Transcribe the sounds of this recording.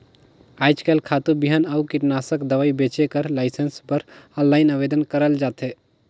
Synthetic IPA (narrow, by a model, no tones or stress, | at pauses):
aːɪt͡ʃkeːlkʰaːt̪ubiɦənaukɪʈnaːsəkd̪ɐʋaːibeːt͡ʃekəɾlaːɪsənspəɾɔ̃nlaːɪnaʋeːd̪ənkəɾəld͡ʒaːt̪ɦeː